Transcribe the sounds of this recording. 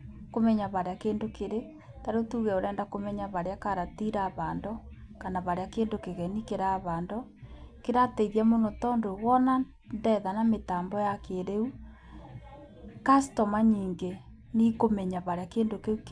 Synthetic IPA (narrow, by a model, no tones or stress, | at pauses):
komɛɲaβaɾeakeːndokeɾe | taɾotuːɣɛoɾɛːndakomɛɲaβaɾeakaɾatiɾaβaːndokanaβaɾeakeːndokeɣɛnikeɾaβandokeɾatɛiðiamonotɔndowɔna | ndɛðanametaːmbɔjakeɾeu | kastɔmaɲiːŋɡe | nikomɛɲaβaɾeakeːndokeuk